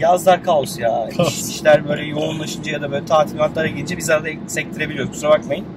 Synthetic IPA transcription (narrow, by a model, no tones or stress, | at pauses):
jazlˠaɾkʰaosjaːiʃlʲæɾbø̞jlʲɛjo̞unlˠaʃɯnd͡ʒajad̪abø̞ːlʲɛt̪ʰaːt̪ʰilmat̪lˠaɾaɡilʲiɲd͡ʒɛbizaɾad̪a | sɛc̚t̪ʰiɾebilʲijoɾzbusuɾabakmajin